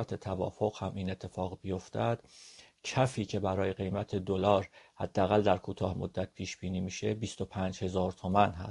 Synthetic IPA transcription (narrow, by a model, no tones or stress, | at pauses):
t̪ʰet̪ʰævɒ̰ːfoɣhæmiːne̞t̪ʰːe̞fɒːɣbijo̞ft̪æd̪̥ | cʰæfiːcʰe̞bæɾɒːje̞ɢe̞jmæt̪ʰe̞d̪o̞lɒːɾhæd̪̥ːææɣæld̪æɾkʰuːt̪ʰɒːhmod̪ːæt̪̚pʰiːʃb̥iːniːmiːʃe̞biːst̪o̞pʰæːnd͡ʒhe̞zɒːɾt̪ʰo̞mænɦæ̰s